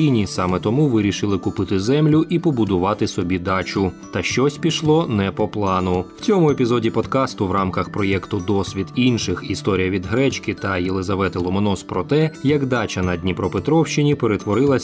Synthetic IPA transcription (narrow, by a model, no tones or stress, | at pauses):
ijnʲisɑmɛt̪ɔmuʋɪɾʲiʃɪlˠɪkʊpɪt̪ɪzɛmlʲʊʔipɔbʊd̪ʊʋɑt̪ɪsɔbʲid̪ɑt͡ʃʊt̪ɐʃt͡ʃɔsʲpʲiʃlˠɔnɛpɔplˠɑnʊw̥t͡sʲɔmʊepʲizɔdʲipɔd̪kɑst̪ʊʋɾɑmkɐxpɾɔjɛkt̪ʊd̪ɔsʲʋʲid̪inʃɪxist̪ɔɾʲijɐʋʲid̪ɦɾɛt͡ʃkɪt̪ɐjelˠezɐʋɛt̪ɪlˠɔmɔnɔspɾɔt̪ɛjɐkd̪ɑt͡ʃɐnɐdʲnʲipɾɔpet̪ɾɔwʃt͡ʃɪnʲipeɾet̪ʋɔɾɪlˠɐsʲ